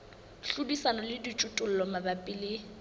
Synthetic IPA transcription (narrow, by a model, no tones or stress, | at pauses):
ɬudisanɔlɪdit͡ʃʼʊtʼʊl̩lɔmabapʼilɪ